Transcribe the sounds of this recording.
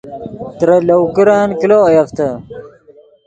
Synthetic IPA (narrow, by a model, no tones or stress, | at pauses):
t̪ɾɐlɐwkiɾaːnkiloːɐjɐft̪ɐ